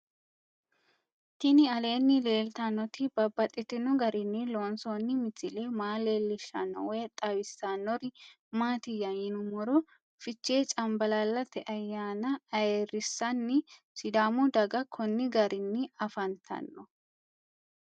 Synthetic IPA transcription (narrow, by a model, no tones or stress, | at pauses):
t̪ɪnɪɐle̞ːnːɪle̞ːlt̪ɐnːɔt̪ɪbɐbːɐt̪ʼːɪt̪ːɪnʊɡɐɾɪnːɪloːnsoːnːɪmɪt̪ːɪleːmaːle̞ːlːɪʃːɐ̰nːɔ̰wɔjɐt̪ʼːɐwɪsːanːɔɾɪ | maːt̪ɪjːɐɪnʊmɔɾʊ | fɪt͡ʃːeːt͡ʃʼɐmbɐlɐlːɐt̪ɛʔɐjːaːnɐɐjerɪsːɐnːɪ | sɪd̪aːmʊd̪ɐɡɐkʰɔnːɪɡɐɾɪnːɪɐfɐnt̪ʰɐ̰nːɔ